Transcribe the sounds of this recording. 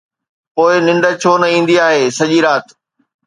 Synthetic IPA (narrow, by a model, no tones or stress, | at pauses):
poːɪnɪ̃ɳɖət͡ɕʰoːnɐĩːn̆d̪iaːɦeːsɐʄiɾaːt̪